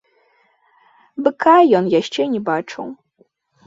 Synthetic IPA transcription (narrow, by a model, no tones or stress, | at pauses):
bɨkajɔnjaɕt͡ʃɛɲʲɛbat͡ʂɐ̰w